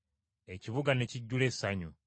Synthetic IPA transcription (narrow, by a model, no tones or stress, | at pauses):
eciβuɡaneciɟːule̞saɲu